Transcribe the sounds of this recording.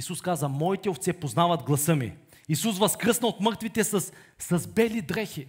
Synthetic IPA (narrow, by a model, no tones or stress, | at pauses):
isuskazəmɔit̪ɛoft̪sɛpoznavɐd̪ɡlˠɐsɤmḭ | isus̬vɐskɾɤsnəot̪mɤɾt̪vit̪ɛsɐsː | ɐzbɛlid̪ɾɛxi